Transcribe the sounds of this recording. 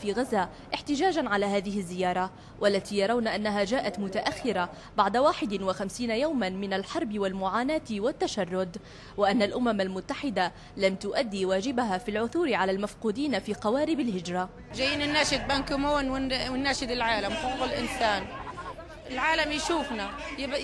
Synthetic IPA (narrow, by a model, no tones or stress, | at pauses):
fiːɣazːaː | ʔɪħt̪ɪd͡ʒaːd͡ʒanʕalaːɦaːðɪhɪzːɪjɑːɾˤɑ | wʔalːat̪iːjɑɾˤɑwnaʔanːaɦad͡ʒaːʔat̪mʊt̪aʔaxːɪɾa | baʕd̪awaːħɪd̪ɪnwɪxamsiːnajawmanmɪnalħɑɾˤbɪwalmʊʕaːnaːt̪ɪwat̪ːaʃɑrˤːʊd̪ | wɪʔanːalʔʊmamalmʊt̪ːaħɪd̪a | lamt̪ʊʔad̪ːiwaːd͡ʒɪbaɦaːfilʕʊθuːɾɪʕalalmafquːd̪iːnafiːqɑwaːɾɪbalhɪd͡ʒɾˤɑ | ʒajːiːnɪnːaːʃɪd̪̚bankʊmoːnwɪwɪnːaːʃɪd̪ɪlʕaːlamfoqːʊlʔɪnsaːn | ʔɪlʕaːlamjʃuːfnajb